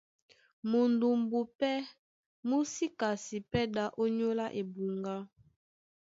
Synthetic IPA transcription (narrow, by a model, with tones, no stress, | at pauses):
mo˨ndu˨mbu˨pɛ˦ | mu˦si˦ka˨si˨pɛ˦da˦ʔo˦ɲo˦la˦ʔe˨bu˨ŋɡa˦